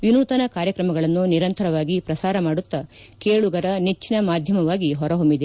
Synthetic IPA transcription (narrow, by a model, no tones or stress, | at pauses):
ʋinuːt̪ɐnɐkaːɾjɐkɾɐmɐɡɐɭɐnːuniɾɐnt̪ɐɾɐʋaːɡipɾɐsaːɾɐmaːɽut̪ːɐ | keːɭuɡɐɾɐnet͡ʃːinɐmaːd̪ʱjɐmɐʋaːɡiɦɔɾɐɦombid̪e